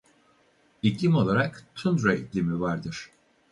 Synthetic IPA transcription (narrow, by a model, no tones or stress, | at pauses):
iclʲimo̞lˠaɾakt̪ʰund̪ɾait̪lʲimivaɾd̪ɯɾ̥